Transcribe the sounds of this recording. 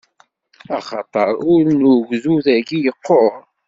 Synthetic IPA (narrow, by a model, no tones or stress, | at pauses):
ɑχɑt̪ˤəɾˤʊɾnuʝzuðæɡijəqʰːoʁ